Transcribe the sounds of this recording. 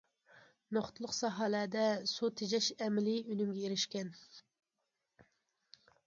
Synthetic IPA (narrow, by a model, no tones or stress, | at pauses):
noχt̪ʰɨlˠʊqsɑɦɑlæd̪ɛsut̪ʰed͡ʒɛʃɛmɪlɪʔylymɡʲɛeɾɪʃkʲɛn